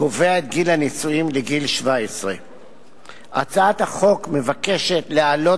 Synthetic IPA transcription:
koveaet̪ɡilhanisuimleɡilʃvaesʁe | ʔa̰t͡saat̪haχo̞kme̞vake̞ʃe̞t̪lealo̞

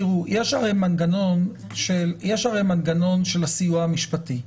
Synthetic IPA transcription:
iʁujeʃaʁejmanɡano̞n | ʃeljeʃaʁejmanɡano̞nʃe̞lasijuaamiʃpati

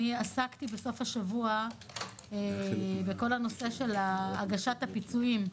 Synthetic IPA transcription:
iasakt̪ibeso̞fhaʃavua | ebeko̞lano̞se̞ʃe̞laːɡaʃathapit͡suim

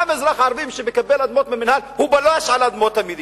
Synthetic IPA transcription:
amezɾaχʕaɾvimʃebekabelad̪mot̪meminhalhubaloaʃalad̪mot̪ːamid̪i

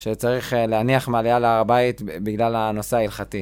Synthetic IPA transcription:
ʃet͡saʁiχleaniaχmalejaleaʁabait̪biɡlalano̞seailχati

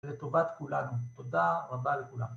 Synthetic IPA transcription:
let̪ovat̪kulanut̪od̪aʁabalekula̰m

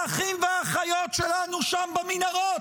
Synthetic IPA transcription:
aχimveaχajotʃelanuʃambaminaʁo

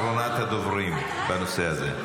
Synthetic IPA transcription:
ɾonaːt̪ad̪ovɾim | banoseazḛ

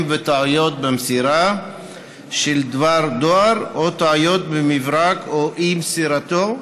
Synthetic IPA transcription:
mvet̪aʕujot̪̚bemsiɾa | ʃeld̪vaɾd̪oaɾot̪aʕujot̪̚bemivɾakoʔimsiɾat̪o

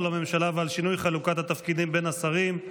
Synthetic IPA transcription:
lame̞mʃalavealʃinujχalukat̪hat̪afkid̪imbe̞nasaʁim

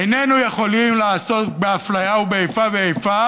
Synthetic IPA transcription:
enenuje̞χo̞limlaːso̞t̪beaflajaubeejfaveejfa

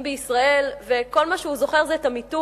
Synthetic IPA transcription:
mbeisʁae̞lve̞ko̞lmaʃeuzoχe̞ʁzeːtamitu

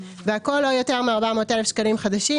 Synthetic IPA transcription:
veako̞lːojo̞te̞ʁmeaʁbamo̞ːt̪e̞lefʃkalimχad̪aʃi

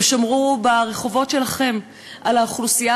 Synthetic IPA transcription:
eʃamʁubaʁe̞χo̞vo̞tʃelaχe̞m | ʔalaχlusija

